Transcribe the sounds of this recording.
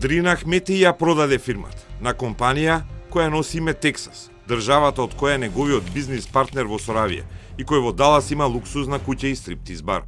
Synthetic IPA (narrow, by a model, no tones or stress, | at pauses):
d̪ɾinaxmɛt̪ɛijapɾɔd̪ad̪ɛfiɾma̰t̪ḁnakɔmpanijakɔjanɔsimɛt̪ɛksḁs | d̪rʒavat̪aɔt̪kɔjaɛnɛɡɔvijɔd̪biznispaɾt̪nɛɾvɔsɔɾavḭja̰ikɔjvɔd̪alˠasimalˠuksusnakucaist̪ɾip̚t̪izba̰ɾ